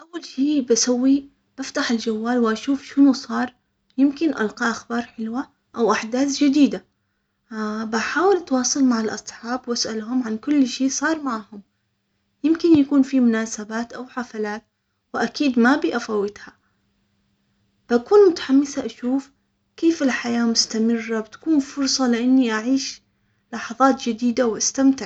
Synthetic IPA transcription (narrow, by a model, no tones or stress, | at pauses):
ʔawːalʃeːbasawːi | b̥aft̪aħɪld͡ʒawːaːlwɪʔaʃuːfʃɪnusˤɑːɾˤ | jɪmkɪnʔa̰lqɑʔaxbɑːɾˤħɪlwa | ʔawʔaħd̪aːθd͡ʒad̪iːd̪a | baħaːwɪlʔat̪wɑːsˤɑlmaʕalʔɑ̰sˤħɑːbwʔasʔalɦʊmʕankʊlːʃeːʔsˤɑːɾˤmaʕhʊm | jɪmkɪnjakuːnfimʊnaːsabaːt̪ʔawħafalaːt̪ | wɪʔakiːd̪mabiːʔafawːɪt̪ha | b̥ʔakuːnmʊt̪ḁħamːɪsaʔaʃuːf | keːfɪlħajaːmʊst̪amɪrːabɪt̪ḁkuːnfʊɾˤsˤɑlɪʔanːiʔaʕiːʃ | lɑħɑðˤɑːt̪d͡ʒɪd̪iːd̪awʔast̪amt̪ɪʕ